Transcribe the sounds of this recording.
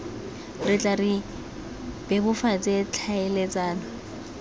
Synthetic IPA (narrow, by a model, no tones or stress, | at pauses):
rɪt͡ɬʼari | b̥ɛbʊfat͡sʼet͡ɬʰaɛlɛt͡sʼaːnɔ